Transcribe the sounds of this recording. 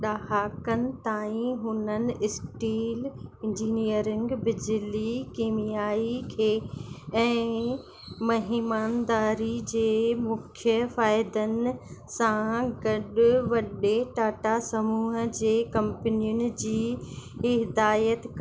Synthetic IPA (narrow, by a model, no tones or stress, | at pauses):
ɗaːɦaːkənɪ̆t̪aːĩɦʊnənɪ̆ɪsʈiːlɪ̃nd͡ʑiːnijəɾɪ̃ŋɡbɪd͡ʑlikiːmijaːikʰeːɛ̃ː | mɐɦimaːnd̪aːɾid͡ʑeːmʊkʰjəfaːɪd̪ənɪ̆sãɡɐɗʊʋɐɗeʈaːʈasɐmuːɦəd͡ʑeːkɐ̃mpənijʊnɪ̆d͡ʑiː | ɦɪd̪aːjət̪k